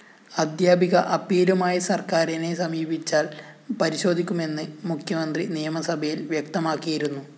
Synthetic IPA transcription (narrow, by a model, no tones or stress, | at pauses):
ɐd̪ʱjaːbʱiɣɐʔɐpiːlɐmaːjɐsɐrkaːɾinesɐmiːbʱit͡ɕːaːlpɐɾiɕo̞ːd̪ʱikʲːume̞nːɨmukʰjɐmɐnd̪rinijɐmɐsɐbʱɐjilʋjɐk̚t̪ɐmaːkːijiɾunːu